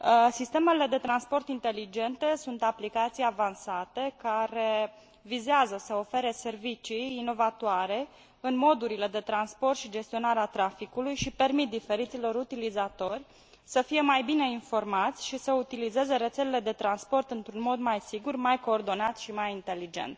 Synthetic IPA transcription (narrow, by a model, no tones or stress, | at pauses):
sist̪e̞me̞le̞d̪e̞t̪ɾanspo̞rt̪int̪e̞lid͡ʒe̞nt̪e̞sunt̪aplikat̪sijavansat̪e̞kaɾe̞ | vizeazəsəo̞fe̞ɾe̞se̞rvit͡ʃijːno̞vat̪oaɾe̞ | ɨnmo̞d̪uɾile̞d̪e̞t̪ɾanspo̞rt̪ʃid͡ʒe̞st̪io̞naɾeat̪ɾafikulujʃipe̞rmit̪̚d̪ife̞ɾit̪silo̞ɾut̪ilizat̪o̞rʲ | səfije̞majbine̞info̞rmat̪sʲʃisəut̪ilize̞ze̞ɾe̞t̪se̞lele̞d̪e̞t̪ɾanspo̞rt̪ɨnt̪ɾunmo̞d̪majsiɡurmajko̞ːrd̪o̞nat̪ʃimajint̪e̞lid͡ʒe̞̰nt̪